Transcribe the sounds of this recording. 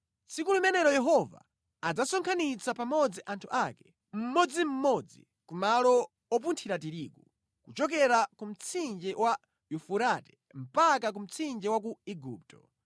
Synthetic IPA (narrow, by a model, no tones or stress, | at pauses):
t͡sikulumɛnɛɾɔjɛɦɔva̰ː | d͡zasɔŋkʰanit͡sapamɔd͡ziʔantʰuʔakɛ̥ | m̩mɔd͡zim̩mɔd͡zḭ | kumalɔ | ɔp̬untʰiɾatiɾiːku | kut͡ʃɔk̬ɛɾakum̩t͡sʰind͡ʒɛwa | jufuɾatɛ̥ | m̩pakak̬um̩t͡sʰind͡ʒɛwak̬uiɡṵːp̚tɔ̥